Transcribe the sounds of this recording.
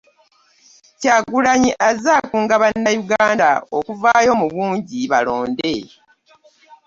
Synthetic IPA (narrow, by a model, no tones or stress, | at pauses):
caɡulaɲiʔazaːkuːŋɡaβanːajuɡaːnda̰okuvaːjo̞muβuːɲɟiβalo̞ːnde̞